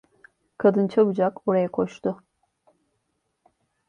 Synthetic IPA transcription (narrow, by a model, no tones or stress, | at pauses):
kʰad̪ɯnt͡ʃʰabud͡ʒakoɾajakʰoʃt̪ʰʊ